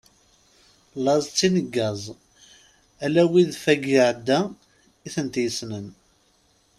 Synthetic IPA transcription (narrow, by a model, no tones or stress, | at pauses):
lɑzˤt͡sːinəɡːæzˤ | ælæwiðfæɡiʕd̪ːæ | iθənt̪jəsnən